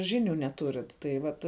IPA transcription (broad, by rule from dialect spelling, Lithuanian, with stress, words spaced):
ˈʒʲɪnʲʊ nʲɛˈtʊrʲɪt tɐɪ ˈʋɐt